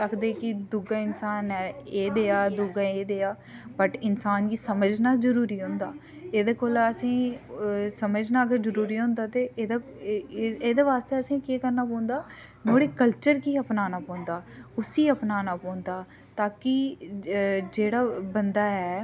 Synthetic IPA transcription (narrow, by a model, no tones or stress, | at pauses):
səkʰd̪eːkɪd̪ʊɡaːɪnsaːnɛeːd̪eːaːd̪ʊɡaeːd̪eːaː | bəʈɪnsaːnɡiːsəməd͡ʒnaːzəɾuːɾiːɦʊ̃nd̪aː | eːd̪eːkoːləsĩː | səməd͡ʒnaːəɡəɾzəɾuːɾiːɦʊ̃nd̪aːt̪eːeːd̪a | eːd̪eːʋaːst̪eːəsĩːkeːkəɾnaːpɔ̃ːnd̪aːnoːɽeːkəlt͡ʃəɾkiːəpnaːnaːpɔ̃ːnd̪aːʊsiːəpnaːnaːpɔːnd̪aː | t̪aːkɪ | d͡ʒeːɽaːbənd̪aːɛː